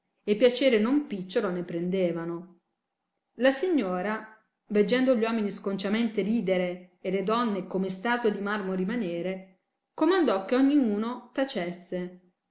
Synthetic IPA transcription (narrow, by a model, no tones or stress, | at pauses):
epːjat͡ʃeːɾenompit͡ʃːoɾonepɾend̪eːvano | lasiɲːoːɾa | ved͡ʒːɛnd̪oʎwɔːminiskont͡ʃament̪eɾiːd̪eɾeːled̪ɔnːekomest̪aːt̪wod̪imarmoɾimaneːɾe | komand̪ɔk̟ːeɔɲːiuːnot̪at͡ʃesːe